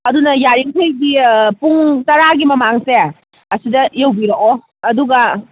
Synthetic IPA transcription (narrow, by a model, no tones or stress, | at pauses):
ɐdunɐjaɾiŋtʰejdipuŋtɐɾaɡimɐmaŋse | ɐsidɐjewbiɾoko | ɐduɡɐ